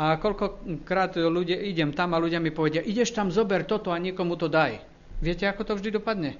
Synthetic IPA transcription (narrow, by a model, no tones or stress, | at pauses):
akɔʎkɔkɾaːd̪luɟɪaʔiɟɛmt̪amaluɟɪamipɔʋɛɟɪaʔiɟɛʃt̪amzɔbɛɾt̪ɔt̪ɔaɲɪɛkɔmut̪ɔd̪aj | ʋɪɛcɛakɔt̪ɔvʒd̪id̪ɔpad̪ɲɛ